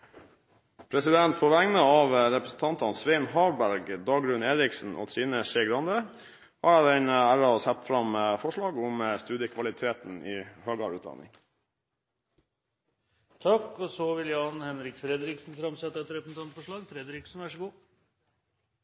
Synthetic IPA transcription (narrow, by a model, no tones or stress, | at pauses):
pʰɾɛsɪd̪ɛnt̪pʰoʋæŋnəɑʋɾɛpɾəsn̩t̪ʰɑnt̪ɑnsʋeɪnɦɑːɾbæɾɡd̪ɑːɡɾʉneːɾɪksn̩ʔo̰ːt̪ʰɾiːnəʃeːɡɾɑnd̪ə | hɑːɾd̪ɛnəæːɾɑsɛt̪ːfɾɑmfɔʂɭɑːɡʊməst̪ʉːd̪jəkʰʋɑlɪt̪ʰeːt̪niːhøːɡɑ̰ɾʉːt̪̚d̪ɑ̰nɪ̰ŋ | t̪ʰɑkːɔsɔʋɪljɑnhɛnɾɪkfɾɛd̪ɾɪksn̩fɾɑmsɛt̪ːəɛt̪ɾɛpɾəsn̩t̪ʰɑnt̪fɔʂɭɑːɡfɾɛd̪ɾɪksn̩ʋæʂəɡuː